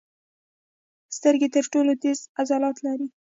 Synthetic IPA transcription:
st̪əɾɡet̪əɾʈolod̪ezazɑlɑt̪laɾi

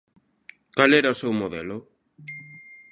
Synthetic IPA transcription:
kalɛɾɐʊsewmoðɛlʊ

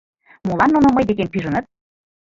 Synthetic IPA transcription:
molˠɑnːunoməjd̪ekempyʒə̆nət̪̚

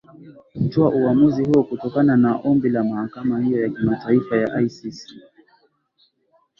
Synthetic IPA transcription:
hutuaʔuwamuzihuɔkutɔkananaʔɔmbilamahakamahijɔjakimataifaja̰ʔajsisi̥

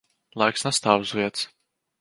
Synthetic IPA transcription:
lˠajksnast̪aːwzvʲiɛt̪s

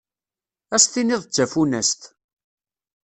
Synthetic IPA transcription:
æst̪iniðˤt͡sːæfunæst̪

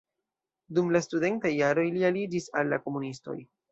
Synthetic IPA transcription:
dumlastude̞ntajːaɾo̞jlialid͡ʒisalːa̰ko̞munisto̞̰j

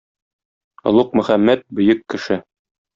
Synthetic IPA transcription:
ŏ̰lˠuq̚mɵ̆χæmːæt̪̚bɵ̆jɵkːɘ̆ʃɘ

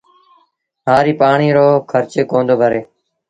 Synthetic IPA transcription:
ɦaːɾiːpaːɳiːɾoːkʰəɾt͡ʃeːkõːnd̪oːbʱəɾeː

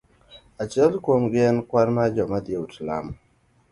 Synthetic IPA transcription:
at͡ʃɛlkwomɡɛnkwaɾmad͡ʒɔmad̪jeutla̰m

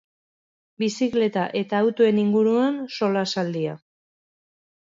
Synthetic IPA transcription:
bisikle̞t̪aʔe̞t̪aːwt̪oe̞niŋɡuɾuanso̞lasald̪ia

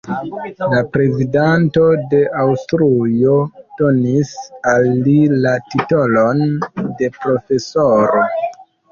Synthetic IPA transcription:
lapɾe̞zidanto̞de̞ʔawstɾujo̞d̥o̞nisalːilatito̞lo̞nde̞pɾo̞fe̞so̞ɾo̞

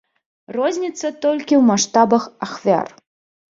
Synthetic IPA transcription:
rɔzʲnʲit̪sːɐt̪ɔlʲkʲiwmaʂt̪abɐxaxvʲa̰r

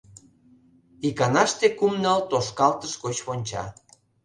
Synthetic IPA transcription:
ikɑnɑʃt̪ekumnɑlt̪oʃkɑlt̪əʃkot͡ɕβonʲt͡ɕɑ̰

